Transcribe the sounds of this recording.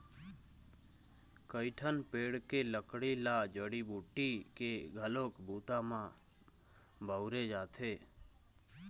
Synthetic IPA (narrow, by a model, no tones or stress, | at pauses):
kəɪʈʰənpeɽkeləkɽelad͡ʒəɽibuʈikeɡʱəloːkbuːt̪amã | bʱəwɾed͡ʒat̪ʰe